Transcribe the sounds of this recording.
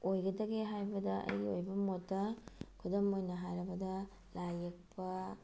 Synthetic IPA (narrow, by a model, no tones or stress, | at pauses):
ojɡɐdɐɡeɦajbɐdɐʔɐ̰jo̰jbɐmotːɐkʰudomojnɐɦajɾɐbɐdɐ | lajɐk̚pʰɐ